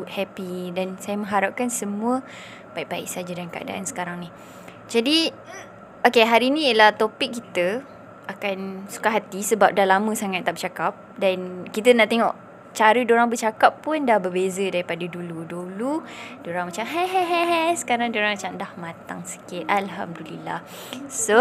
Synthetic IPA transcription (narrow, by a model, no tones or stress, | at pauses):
uʔ̚hɛpidansajəmə̃ŋɦaɾap̚kansəmũə | b̥aiʔ̚baɪ̰ʔsad͡ʒədankaʔa̰da̰ʔa̰nsə̥kaɾaŋni | d͡ʒadi | okeɦaɾiːnĩəlaht̪opɪk̚ːit̪ə | akansu̥kaɦat̪isəbap̚dalamə̃saŋat̪̚ːaʔbət͡ʃakap̚dankit̪̬ənaʔt̪eŋɔ̰ʔ | t͡ʃaɾədoɾaŋbət͡ʃakapːʊndahbərbezədaɾipadəduluduludoɾaŋmat͡ʃamɦaɦaɦaɦasə̥kaɾaŋdoɾaŋmat͡ʃamdahmat̪a̰ŋsə̥kɪt̪ʔalɦa̰mdulḭla̰h | so